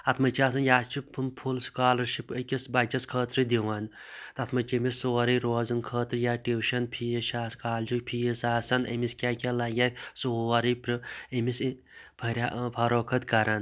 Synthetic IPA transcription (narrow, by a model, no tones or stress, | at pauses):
ɐt̪ʰmɐt͡ʃʰiaːsɐnjaːt͡ʃʰipʰɨmpʰulskaːlɐɾʃipəkʲisbɐt͡ʃɐskʰəːt̪ɾɨd̪iʋan | t̪ɐt̪ʰmɐt͡ʃemissoːɾiɾoːzɐnkʰəːt̪ɾɨjaːʈiwʃɐnpʰijɐʃaːskaːld͡ʒukʲpʰiisaːsɐnɐ̰miskʲaːkʲalɐɡʲasoːɐɾipɾɨemis | pʰɐɾʲapʰɐɾoːkʰɐt̪kɐɾɐn